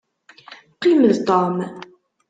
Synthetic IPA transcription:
qːiməðt̪om

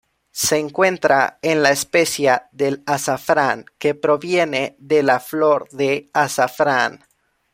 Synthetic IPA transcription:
se̞ːŋkwe̞nt̪ɾaenlaespesjaðelasafɾaŋke̞pɾo̞βje̞ne̞ðelaflo̞ɾðe̞asafɾan

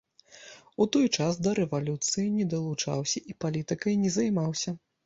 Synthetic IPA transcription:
ut̪ɔjt͡ʂasd̪ɐɾɛvalʲut̪sɨjinʲɛd̪ɐlˠut͡ʂa̰wsʲɐʔipalʲit̪ɨkɐjnʲɛzɐjmawsʲɐ

